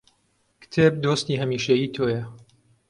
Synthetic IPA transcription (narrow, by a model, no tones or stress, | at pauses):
kt̪ʰeb̚d̪oːst̪iːɦɐmiːʃejiːt̪ʰoːjɐ